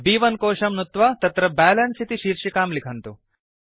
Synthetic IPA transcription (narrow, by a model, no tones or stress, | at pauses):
biːʋɐnkoːʂɐmnut̪ʋɐt̪ɐt̪ɾɐbaːlɐnsit̪iʃiːɾʂikaːmlikʰɐnt̪u